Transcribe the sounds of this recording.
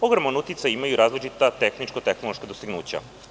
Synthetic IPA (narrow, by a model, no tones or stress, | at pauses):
poɡɾomanut̪it̪sajimajuɾaːzlit͡ʃit̪at̪exnit͡ʃkat̪exnoloʃkad̪ost̪iɡnuːt͡ɕa̰